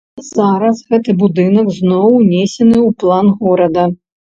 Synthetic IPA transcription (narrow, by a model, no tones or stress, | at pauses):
z̥aɾɐsɣɛt̪ɨbud̪ɨnɐɡznɔwnʲesʲɛnɨuplˠanɣɔɾɐd̪ɐ